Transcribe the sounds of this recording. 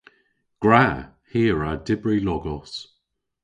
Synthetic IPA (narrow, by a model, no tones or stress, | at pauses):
ɡ̥ɹa | hiːɹadɪbɹilɔɡɔs